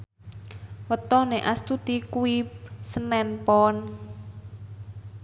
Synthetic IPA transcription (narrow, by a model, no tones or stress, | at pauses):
wət̪ɔneʔast̪ut̪ikuip̚sənɛnpɔn